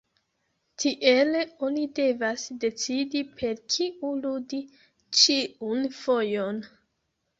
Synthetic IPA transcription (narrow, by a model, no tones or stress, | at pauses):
tʰiʔe̞lo̞nide̞vasde̞t͡sidipʰe̞ɾkʰiuludi | t͡ʃiunfo̞jon